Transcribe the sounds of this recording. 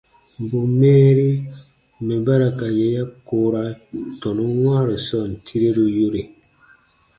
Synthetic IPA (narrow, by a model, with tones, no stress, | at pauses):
m˨bu˨mɛː˦ɾi˦ | me˨ba˦ɾa˨ka˨je˦ja˦koː˦ɾa˦tɔ˨nu˦wãː˦ɾo˨sɔ˦˨n̩˨tʰi˦ɾe˦ɾu˦jo˦ɾe˨